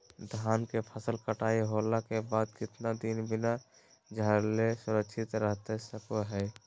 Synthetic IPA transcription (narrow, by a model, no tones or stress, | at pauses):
d̪ʱaːnkepʰəsəlkəʈaːiɦolakebaːd̪̚kɪt̪nad̪inbɪna | d͡ʒʱəɾlesʊɾəkʃʰɪt̪ɾəɦt̪esəkoɦɛː